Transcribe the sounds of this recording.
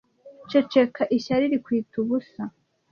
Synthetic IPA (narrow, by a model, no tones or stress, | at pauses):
t͡ʃet͡ʃe̞kʰaʔiçaɾiɾikwiːtuβusa